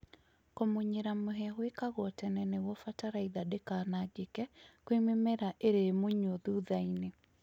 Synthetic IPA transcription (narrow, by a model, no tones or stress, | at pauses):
komoɲeɾamoɦɛahwekaɣɔtɛnɛnewɔfataɾaiðadekaːnaɡekɛkwememɛɾaʔeɾemoɲoðuðaine